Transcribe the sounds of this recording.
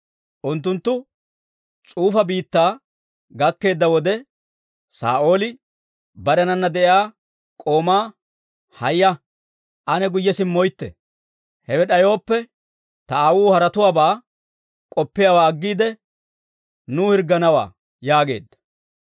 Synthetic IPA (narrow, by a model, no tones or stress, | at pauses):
ʔʊnt̪̬ːʊnt̪ːʊ | t͡sʼuːfɐbiːt̪ːaː | ɡɐkːe̞ːd̪ːɐwɔd̪ɛ | sa̰ːʔo̞ːlɪ | bɐɾɛnɐnːɐd̪ɛʔjaː | kʼo̞ːmaː | hɐjːɐ | ʔɐnɛɡʊjːɛsɪmːɔjt̪ːɛ̰ | hɛwɛɗɐjo̞ːpːɛ | t̪ɐaːwuːhɐɾɐt̪ʊwaːbaː | kʼɔpːɪjawaːɐɡːiːd̪ɛ | nuːhɪɾɡːɐnɐwa̰ː | jaːɡe̞̰ːd̪ːɐ̥